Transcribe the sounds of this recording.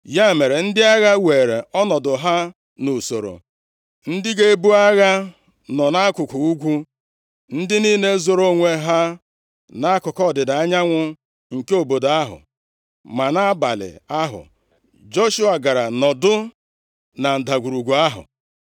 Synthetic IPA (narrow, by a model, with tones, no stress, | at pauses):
ja˦˨me˨ɾe˨n̩˦dɪ˦a˦ɣa˦we˨ɾe˨ɔ˦nɔ˨dʊ˨ɦa˦ | nu˨so˨ɾo̰˨ | n̩˦dɪ˦ɡe˦bu˦a˦ɣa˦ | nɔ˨na˦kʊ˨kʊ˨u˦ɡʷu˦ | n̩˦dɪ˦niː˦ne˦zo˨ɾo˦ŋʷe˦ɦa˦ | na˦kʊ˨kɔ˦˨dɪ˨da˨a˦ɲa˦ŋʷʊ˦ | ŋ̩˨ke˦o˨bo˨da˦ɦʊ̰˨ | ma˨na˦a˦ba˨lɪ̰˨a˦ɦʊ̰˨ | d͡ʒo˦ʃu˦a˨ɡa˨ɾa˨nɔ˨dʊ˦ | na˨n̩˨da˨ɡʷu˨ɾu˨ɡʷu˨a˦ɦʊ̰˨